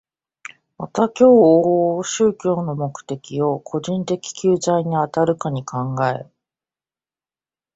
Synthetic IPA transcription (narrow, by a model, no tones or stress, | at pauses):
mat̪akʲo̞ːɕɨːkʲo̞ːno̞mo̞kɯ̟̥t̪e̞kʲio̞kʰo̞ʑĩnt̪e̞kʲi̥kʲɨːzaiɲ̟iat̪aɾɯ̟kaɲ̟ikʰãŋɡae̞̰